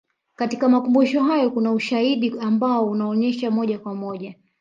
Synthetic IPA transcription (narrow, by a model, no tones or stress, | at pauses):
katikamakumbuʃɔɦajɔkunauʃaiɗiambaɔunaɔɲɛʃamɔʄakwamɔʄa